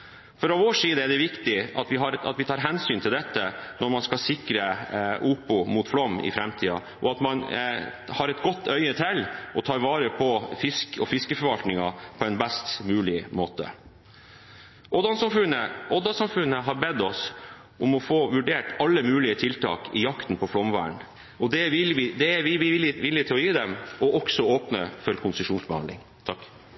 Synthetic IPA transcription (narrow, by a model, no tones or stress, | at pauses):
fɔɾɑʋoːʂiːd̪əɛɖɛʋɪkt̪ɪɑt̪ʋɪɦɑɾɑ̰t̪ʋɪt̪ʰɑːɾɦɛnsyːnt̪ʰɪld̪ɛt̪ːənɔɾmɑnskɑlsɪkɾəʔuːpʊmuːt̪flɔmːɪ̰fɾɛmt̪ʰiːɑ̰ | ʔɔɑt̪mɑn | hɑɾɛt̪ɡɔt̪ːœʏət̪ʰɛlːʔɔt̪ʰɑːɾʋɑːɾəpʰɔfɪskɔfɪskəfɔɾʋɑlt̪nɪŋɑpʰɔɛnbɛst̪mʉːlɪmoːt̪ə̰ | ʔod̪ɑnsɑmfʉnəɔd̪ɑsɑmfʉnːəɦɑɾbɛd̪ɔs | ʔʊmɔfoːʋʉɖeːʈɑlːəmʉːlɪət̪ʰɪlt̪ʰɑ̰ːkʰɪ̰jɑkt̪n̩pʰɔflɔmʋæ̰ːəɳ | ɔd̪ɛʋɪlʋɪd̪ɛæɾʋɪʋɪlɪʋɪlːɪt̪ʰɪlɔjiːd̪ɛmɔʔɔksɔoːpnə̰fɔɾkʰʊnsəʂuːnsbəhɑ̰nlɪ̰ŋ | t̪ʰɑkː